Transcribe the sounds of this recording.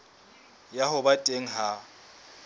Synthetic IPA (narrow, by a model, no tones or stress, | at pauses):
jaɦʊbatʼeŋ̩ɦa